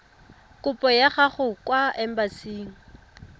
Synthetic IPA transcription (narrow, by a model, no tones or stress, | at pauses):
kʼʊpʼɔjaχaχʊkwaɛm̩basiːŋ̩